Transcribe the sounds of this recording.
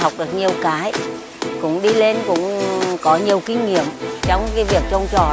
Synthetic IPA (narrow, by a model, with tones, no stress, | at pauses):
a˨˩wk͡p̚ɗɨ˨˩ək̚ɲi˨˩əwkaː˨˦j | kʊ̰˧˥ŋ͡mɗi˧le˧nkʊ̰˧˥ŋ͡mkɔ˨˦ɲi˨˩əwki˧ŋ̟ŋḭ˧˨əmt͡ɕɔ˧wŋ͡mkaː˨˦vi˨˩ək̚t͡ɕɔ˧wŋ͡mt͡ɕɔ˨˩